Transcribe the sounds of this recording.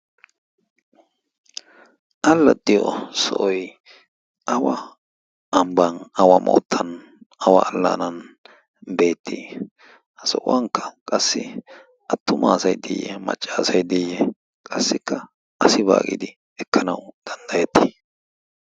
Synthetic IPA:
ʔɐlːɐd̪ɪjo̰sɔ̰ʔɔj | ʔɐwɐ | ɐmbɐnɐwɐmʔɔ̰ːt̪ʰːɐn | ɐwɐːlːɐ̰nɐn | be̞ːt̪ːiː | hɐsɔʔʊ̰wɐŋkːɐ̥kʼɐsːɪ | ʔɐt̪ːʊmaːsɐjd̪ɪ̰jːɛ̰mɐ̰t͡ʃʼːaːsɐjd̪ɪjːɛ | kʼɐsːɪkːɐ | ʔɐsɪba̰ːkʼɪ̰d̪ɪ | ɛkːɐnɐwd̪̥ɐnd̪ɐjɛt̪ːɪ

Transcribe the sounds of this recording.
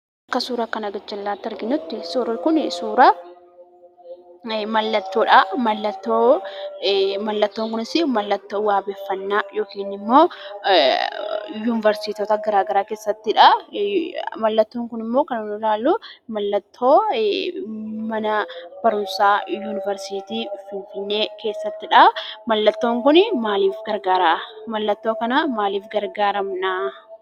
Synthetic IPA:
ɐkːɐsuːɾɐkːɐnɐɡɐt͡ʃːɐlːaːt̪ːɪɐɾɡɪnːʊt̪ːɪsuːɾɐkʊnsuːɾɐ | mɐlːɐt̪ːo̞ːᶑamɐlːɐt̪ːoː | mɐlːɐt̪ːoːŋkʊnɪsɪmɐlːɐt̪ːoːwaːbeːfːɐnːaːjo̞ːkiːnɪmːo̞ː | juːnɪvɐɾsiːt̪ɔt̪ɐɡɐɾaːɡɐɾaːkeːsːɐt̪ːɪᶑɐ | mɐlːɐt̪ːoːŋkʊnɪmːo̞ːkɐnɐnʊlaːlːʊmɐlːɐt̪ʰːo̞ː | mɐnɐb̥ɐɾʊnsaːjuːnɪvɛɾsit̪iːfɪnfɪnːe̞ːke̞ːsːɐt̪ːɪᶑɐmɐlːɐt̪ːo̞ːŋkʊnɪmaːliːfɡɐɾɡaːɾamɐlːɐt̪ːoːkɐnɐmaːliːfɡɐɾɡaːɾɐmnaː

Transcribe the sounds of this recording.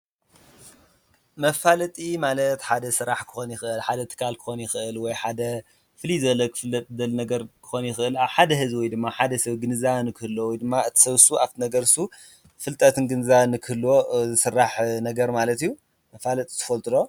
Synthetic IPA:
mɐfalɐt̪ʼimalɐt̪ħad̪ɐsɨɾaħkʰɨ̥xonjɪxɨʔɨlħad̪ɐt̪ʰɨ̥kʰalkʰɨ̥xo̞njɪxɨʔɨlwɔjħad̪ɐ | fɨlizɐlɐkʰɨ̥fɨlːɐt̪ʼzɐlnɐɡɐɾkʰɨ̥xonjɪxɨʔɨlaβħad̪ɐɦɨzwɔjd̪ɨmːaħad̪ɐsɐβɡɨnɨzaβnɨkʰɨhɨlːowɔjd̪ɨmːaɨt̪ʰi̥sɐβsuʔaft̪ʰinɐɡɐɾɨsu | fɨlt̪ʼɐt̪ʰɨnɡɨnzaβnɨkʰɨhlːozɨsɨrːaħnɐɡɐɾmalɐt̪ijːu | mɐfalɐt̪ʼi̥t̪ʰɨ̥fɐlt̪ʼɨlo

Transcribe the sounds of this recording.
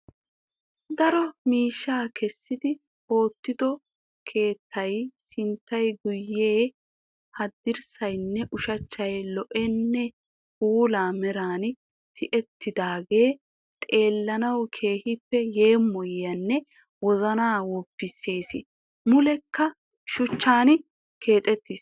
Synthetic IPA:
d̪ɐɾɔmiːʃːaːkʰɛsːɪd̪ɪ | o̞ːt̪ːɪd̪ɔ | kʰe̞ːt̪ʰːɐjsɪnt̪ːɐjɡʊjːe̞ː | hɐd̪ːɪɾsɐjnːɛʔʊʃɐt͡ʃːɐjlɔʔɛnːɛ | huːlaːmɛɾaːn | t̪ʰɪʔɛt̪ːɪd̪aːɡe̞ː | t̪ʼe̞ːlːɐnɐwkʰe̞ːhɪpːɛje̞ːmːɔjɐnːɛ | wɔzɐnaːwɔpːɪse̞ːsɪ | mʊlɛkːɐ | ʃʊt͡ʃːaːn | ke̞ːt̪ʼɛt̪ːɪs

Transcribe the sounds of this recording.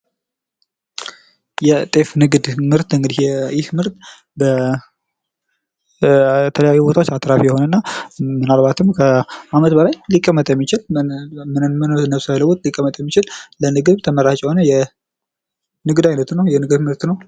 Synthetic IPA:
jɛt̪ʼe̞fnɨɡd̪mɨɾt̪ɨŋɡɨd̪ihjɛɪt̪mɨɾt̪ | bə | t̪ʰələjajːubot̪ʰawot͡ʃːat̪ʼɾafijɛho̞nənːamːɨnalbat̪ʰɨmkʰəamət̪bəlajlikʼːəmːət̪ʼjɛmːit͡ʃɪlmɨnɨnmɨnɨnːəsajləwut̪ʼlikʼːəmət̪ʼjɛmːit͡ʃɪllənɨɡɨβt̪ʰəməɾat͡ʃʼjɛhonəjɛ | nɨɡd̪ajnət̪nəwjɛnɨɡɨd̪mɨɾt̪nəw

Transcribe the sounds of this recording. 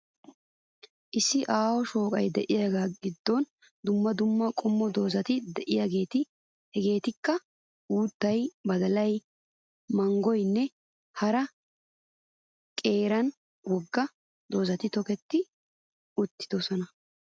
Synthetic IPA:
ʔɪsːɪʔaːwɔʃo̞ːkʼɐjd̪ɛʔɪjaːɡaːɡɪd̪ːɔn | d̪ʊmːɐd̪ʊmːɐkʼɔmːɔd̪o̞ːzɐt̪ɪd̪ɛʔɪjaːɡe̞ːt̪ɪ | hɛɡe̞ːt̪ɪkːɐ | uːt̪ːɐjbɐd̪ɐlɐj | mɐŋɡɔjnːɛ | hɐɾɐ | kʼe̞ːɾɐn | wɔɡːɐ | d̪o̞ːzɐt̪ɪt̪ɔkɛt̪ːɪ | ʊt̪ːɪd̪ɔsɔnɐ

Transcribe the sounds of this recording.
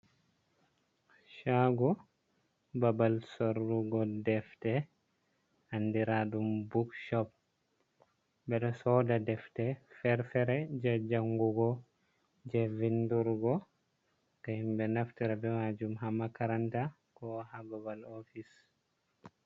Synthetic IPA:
ʃaɡɔ | babalsoɾːuɡɔdɛftɛ | andiɾaɗumbukʃɔp̚ | bɛɗɔsɔdadɛftɛfɛɾfɛɾɛd͡ʒad͡ʒaŋɡuɡɔ | d͡ʒɛvinduɾɡɔ | kahimbɛnaftɛɾɛbɛmad͡ʒumɦamakaɾanta | kɔhababalofis

